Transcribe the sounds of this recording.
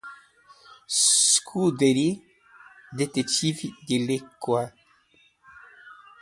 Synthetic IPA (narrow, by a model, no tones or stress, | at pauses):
skʰud̪eɾi | d̪et̪et͡ʃivid̪elekːwa